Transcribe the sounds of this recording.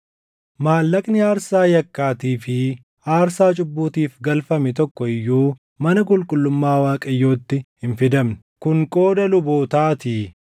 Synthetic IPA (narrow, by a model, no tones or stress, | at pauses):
maːlːɐkʼnɪaːɾsaːjɐkːaːt̪iːfɪ | aːɾsaːt͡ʃʼʊbːuːt̪iːfɡɐlfɐmɛt̪ɔkːɔɪjːuː | mɐnɐkʼʊlkʼʊlːʊmːaːwaːkʼɐjːo̞ːt̪ːɪhɪnfɪd̪ɐmnɛ̥kʊŋkʼo̞ːd̪ɐlʊboːt̪aːt̪iː